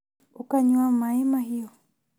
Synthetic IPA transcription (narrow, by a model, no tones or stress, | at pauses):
ukaɲuamaɛmaɦijɔ